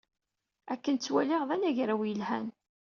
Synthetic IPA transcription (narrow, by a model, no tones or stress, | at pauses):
ækːənt͡sːwæliʁðænæʝɾæwjəlhæ̰n